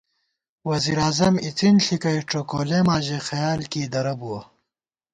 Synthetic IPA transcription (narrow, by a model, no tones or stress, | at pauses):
wɐziɾaːzɐmit͡sinɬikɐjʈ͡ʂokoːlemaːʑexɐjaːlkiːd̪ɐɾɐbuwɐ